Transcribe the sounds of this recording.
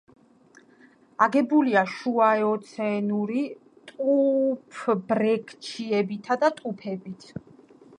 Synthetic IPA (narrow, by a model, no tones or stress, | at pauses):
aɡɛbuliaʃuaɛɔt̪sʰɛnuɾi | t̪ʼupʰbɾɛkʰt͡ʃʰiɛbit̪ʰad̪at̪ʼupʰɛbit̪ʰ